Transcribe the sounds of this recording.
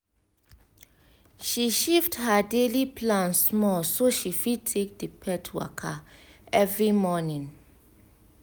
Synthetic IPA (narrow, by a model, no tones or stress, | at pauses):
ʃiʃifthadeliplãnsmɔsoʃifitʰek̚dipʰɛtʰwa̰kʰaɛvɹimɔnĩn